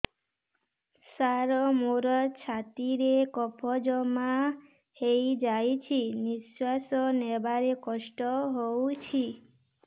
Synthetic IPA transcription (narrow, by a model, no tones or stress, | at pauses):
saɾɔmoɾɔt͡ʃʰat̪iɾekɔpʰɔd͡ʒɔma | hejd͡ʒajt͡ʃʰiniswasɔnebaɾekɔʃʈɔɦowt͡ʃʰi